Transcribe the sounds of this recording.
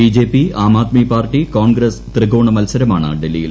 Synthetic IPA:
id͡ʑe̞ːpːiaːmaːt̪mipaːrʈːikoːnɡɾɐst̪rɨɡoːɳɐmɐlsɐɾɐmaːɳɨ̰ɖelːijil

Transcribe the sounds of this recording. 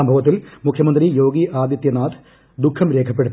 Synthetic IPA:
ɐmbʱɐʋɐt̪ːilmukʰjɐmɐnd̪rijo̞ːɡiʔaːd̪jɐt̪jɐnaːd̪ | d̪ukʰːɐmɾeːkʰɐpːeɽut̪ː

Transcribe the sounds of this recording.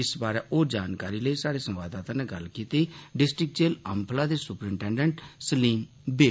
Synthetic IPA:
ɪsbaːɾɛːʔoːd͡ʒaːnkaːɾiːləisaːɽeːsə̃mʋaːd̪aːt̪ãːneːɡəlkiːt̪iːɖɪsʈɾɪk̚t͡ʃeːləmpʰlaːd̪eːsʊpəɾɪ̃ɳʈɛ̃ːɳɖəɳʈsəliːm | beː

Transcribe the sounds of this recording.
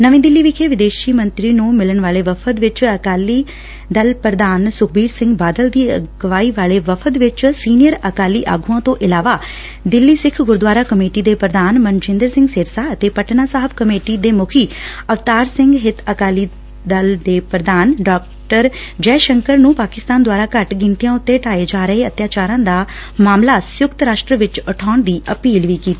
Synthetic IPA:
nəʋĩːd̪ɪlːiːʋɪkʰeʋɪd̪eːʃiːmə̃nt̪ɾiːnũːmɪlənʋaːleːʋəpʰət̪ʋɪt͡ʃəkaːliː | d̪əlpɾəd̪aːnsʊk̚ʰbiːɾsɪ̃ŋɡbaːd̪əld̪iːə̰ɡʋaːiːʋaːleːʋəpʰət̪ʋɪt͡ʃsiːnijəɾəkaːliːʔa̰ːɡuãːt̪õʔɪlaːʋaː | d̪ɪlːiːsɪkʰɡʊɾd̪ʋaːɾaːkəmeːʈiːd̪eːpɾəd̪aːnmənd͡ʒɪ̃nd̪əɾsɪ̃ŋɡsɪɾsaːət̪eːpəʈnaːsaːɦəbkəmeːʈid̪eːmʊkʰiːəʋt̪aːɾsɪ̃ŋɡɦɪt̪ʰəkaːliː | d̪əld̪eːpɾəd̪aːnɖaːk̚ | ʈəɾd͡ʒɛːʃəŋkəɾnũːpaːkɪst̪aːnd̪waːɾaːkəʈɡɪ̃nt̪ijãːʊt̪ːeːʈaːeːd͡ʒaːɾəɦeːət̪jaːt͡ʃaːɾãːd̪aː | maːmlaːsjʊkt̪ɾaːʃʈɾəʋɪt͡ʃəʈʰaːʊɳd̪iːʔəpiːlʋiːkiːt̪i

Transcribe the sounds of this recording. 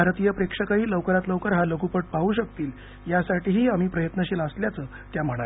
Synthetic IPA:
bʱaɾt̪ijəpɾekʂəkəiːləwkəɾat̪ləwkəɾɦaləkupəʈ̚pauːɕək̚t̪iːl | jasaʈiːɦiːam̤iːpɾəjət̪nəɕiːləsljat͡səː | t̪jam̤əɽ̃ale

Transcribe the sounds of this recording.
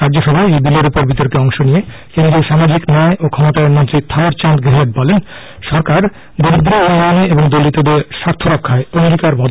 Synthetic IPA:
ɾaɾd͡ʑoʃɔbʱaeejb̪ileɾupoɾbit̪oɾkeɔŋʃonijekẽnd̪ɾioʃamad͡ʑiknɛeʔokʰɔmot̪aeɾmont̪ɾit̪ʰaoɾt͡ɕant̪ɡeɦeʈ̚bɔlen | ʃɔɾkaɾ | d̪ond̪ɾionmaneeboŋd̪olit̪od̪eɾʃaɾt̪ʰːoɾɔkʰːaeomɾikaɾbɔd̪

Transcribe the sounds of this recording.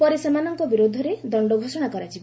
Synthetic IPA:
pɔɾisemanɔŋkɔbiɾod̪ʱɔɾed̪ɔɳɖɔɡʱosɔɽ̃akɔɾat͡ʃʰib

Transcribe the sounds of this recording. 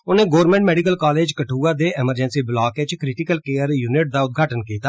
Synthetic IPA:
ʊnẽːɡoːɾmɛ̃ɳʈmɛːɖɪkəlkaːleːd͡ʒkəʈʰuːaːd̪eːʔɛməɾd͡ʒənsiːblaːket͡ʃkɾɪʈɪkəlkeːəɾjuːnɪʈ̚d̪aːʊt̪̚ɡʱaːʈənkiːt̪aː

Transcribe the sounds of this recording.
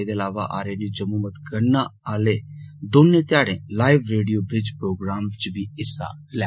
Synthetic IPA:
d̪eːəlaːʋaʔa̰ːɾenid͡ʒəmːuːmət̪kəɾnaaːleːd̪ʊmnẽːt̪ɪjaːɽẽːlaːɪʋɾeːɖijoːbɾɪd͡ʒpɾoːɡɾaːmt͡ʃbiːɪsa̰lɛ

